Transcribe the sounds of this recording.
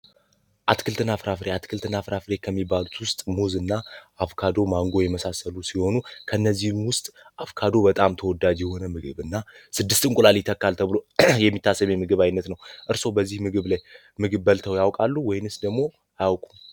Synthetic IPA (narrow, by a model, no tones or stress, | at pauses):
ʔat̪kʰɨlt̪ʰɨnːafɨɾafɾeat̪kʰɨlt̪ʰɨnːafɨɾafɾe̞kʰəmːibːalut̪wʊst̪ʼmozɨnːaːfkʰad̪o̞maŋɡo̞jɛməsasəlusiho̞nukʰənːəzːihmwʊst̪ʼʔafkʰad̪o̞bət̪ʼamt̪ʰəwɔd̪ad͡ʒjɛho̞nəmɨɡɨβɨnːasɨd̪ːɨst̪ʼɨŋkʼulalit̪ʰːəkːalt̪ʰəβɨlo̞jɛmːit̪ʰːasəmemɨɡɨβajnːət̪nəwʔɨɾso̞bəzːihmɨɡɨβlaj | mɨɡɨβbəlt̪ʰəwjawkʼalːuwɔjnɨsd̪əɡmo | ajawkʼu̥